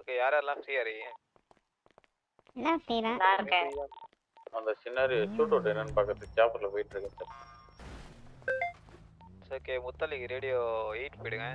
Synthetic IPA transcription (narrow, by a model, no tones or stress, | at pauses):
oːkːejaːɾeːlãːfɾiːaɾɯŋɛ̃ | ɛlːãːfɾiːɾãːsãːɾɯkːɛ̃ | ɐnd̪ɐsɪnːaːɾit͡ʃːuːʈoːʈːnɐnpɐkːɐt̪ːɯt͡ʃaːpɐɾlɐpoːjɪʈːɾɯkːɐ̃sɐɾ | soːkːeːmʊt̪ːɐlɪkiɾeːɽɪjoːiːʈpoːjɽɯŋɡɛ̃